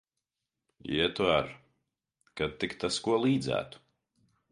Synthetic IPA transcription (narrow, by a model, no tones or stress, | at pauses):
iɛt̪uaɾ | kad̪̚t̪ːikt̪askuɔlˠiːd̪zæ̰ːt̪u̥